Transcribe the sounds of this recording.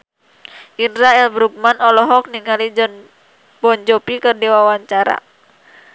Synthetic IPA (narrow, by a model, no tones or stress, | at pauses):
ʔindɾaɛlbɾuk̚manɔlɔɦɔk̚niŋalid͡ʒɔn | bɔɲd͡ʒɔpikərdiwawaɲt͡ʃaɾa̰